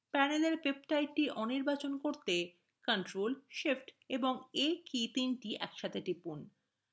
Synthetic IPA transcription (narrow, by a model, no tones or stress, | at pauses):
pɛneleɾpepʈajʈiʔɔniɾbat͡ɕonkoɾt̪e | kaɳʈɾolʃefʈeboŋekit̪inʈiʔɛkʃat̪ʰeʈipun